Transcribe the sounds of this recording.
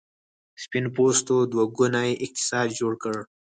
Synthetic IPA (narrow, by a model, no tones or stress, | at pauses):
spinpost̪od̪waɡʊnaeʔɪq̚t̪ɪ̥sɑːd̪d͡ʒoɽkəɽ